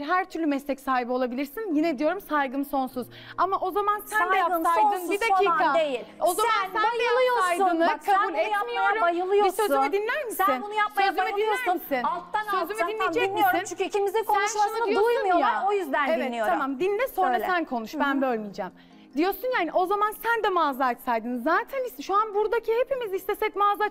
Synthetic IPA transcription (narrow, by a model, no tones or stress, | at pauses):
ɦæɾt̪ʰyɾlʲymɛslʲɛcsaːɦibio̞lˠabilʲiɾsinjinɛd̪ijo̞ɾumsajɡɯmso̞nsuz̥ | amaʔo̞zamansænd̪ɛjap̪aj̪ɯnid̪akiːkad̪ejilo̞zaansænɛlˠɯjoaj̪ɯnkʰaulʲɛmijoɾujɯlˠɯjbisøzymid̪inlʲæɾmisiinbunujasaøzyymid̪inɛæɾmissinat̪ːaøzymid̪inːid͡ʒɛmiosɾint͡ʃʰimizikʰoæunʃaand̪ijosumjjaojyzd̪ænevɛijoɾamamd̪inʲd̪ɛsonɾaænkʰo̞nuʃbænbølʲmid͡ʒɛm | d̪ijo̞sunjahaniʔo̞zamansænd̪ɛmazˠat͡ʃsajd̪ɯnɯzaːt̪ʰænisʃuanbuɾd̪acʰihe̞pʰimizist̪ʰɛsɛcmazˠat͡ʃ